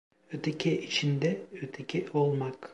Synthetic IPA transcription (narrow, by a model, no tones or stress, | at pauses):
øt̪ʰecʰɛʔit͡ʃʰind̪ɛøt̪ʰecʰɛolˠmak